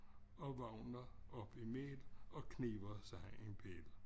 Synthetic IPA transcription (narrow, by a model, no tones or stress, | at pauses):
ɒ̽ʋɑ̈ʊ̰nɐɒ̽b̥imḛːd̥ɒ̽kʰneːʋɐsɑ̈ɪenpʰḛːd̥̩